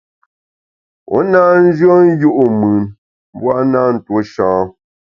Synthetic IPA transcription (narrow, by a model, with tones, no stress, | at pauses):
o̰˨˦na˦n̩˦d͡ʒɰɔ˦n˦ju˦ʔu˦mʉ˨n | m˦bwa˦naː˦˨n̩˨two˦ʃɔ̃ː˨˦